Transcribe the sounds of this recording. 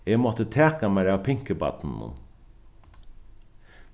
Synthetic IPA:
emɔt̪ət̪ʰeːkamæɪɾɑːʋpʰɪŋkəbɑ̰t̪n̩ːʊ̰n

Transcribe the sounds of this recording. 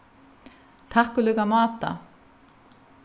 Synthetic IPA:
t̪ʰahkʏlœɣamaːt̪a̰

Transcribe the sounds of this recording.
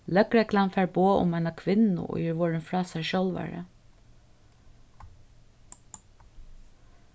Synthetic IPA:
lœkɾɛklanfæːɹboːʔʊ̰maɪnakʰʋɪnʊ̰ʔɔ̰jəɹʋɔːɹɪnfɹɑːsæjʃɔlʋa̰ɹə̰

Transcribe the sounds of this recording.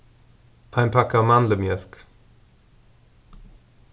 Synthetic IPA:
ʔãɪmpʰakamanləmjɛθk

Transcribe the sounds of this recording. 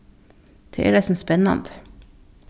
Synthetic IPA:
d̪̥ʰḛʔḛːɾɛsm̩spɛnɑ̰nt̪

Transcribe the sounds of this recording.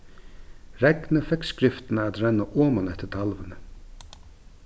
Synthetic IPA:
ɾɛknəfɛkskɾɪft̪ɪnaat̪ɾɛnːaʔoːmanɛht̪əɾt̪ʰalʋənə

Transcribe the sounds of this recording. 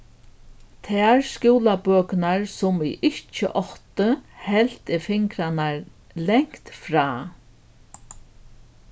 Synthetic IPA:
t̪ʰɛaɾskuːlapœːknaɹsʊmiʔɪht͡ʃə̰ʔɔht̪əhɛl̥t̪ɪfɪŋkɾanaɹ | lɛŋ̥kt̪fɾaː

